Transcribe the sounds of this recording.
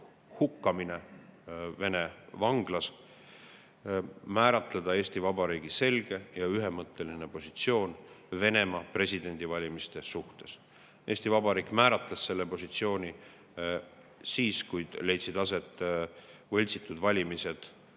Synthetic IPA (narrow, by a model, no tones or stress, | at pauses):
hukːɑmine | ve̞ne̞vɑŋɡ̥lɑs | mæːɾɑt̪led̪̥ɑe̞ːst̪ivɑbɑɾiːɡ̥ise̞lɡ̥e̞jɑyɦemɤt̪ːˑe̞linepo̞sit̪sio̞ːnve̞ne̞mɑpre̞sʲid̪̥e̞nʲd̪̥ʲivɑlʲimist̪e̞suht̪e̞s | e̞ːsʲt̪ivɑbɑɾiːkˑmæːɾɑt̪lɑsːe̞lːepo̞sit̪sio̞ːnʲi | siːskujd̪̥le̞jt̪sid̪ɑse̞t̪ːˑ | vɤ̞lʲt̪sit̪ːˑud̪̥vɑlʲimise̞d̪̥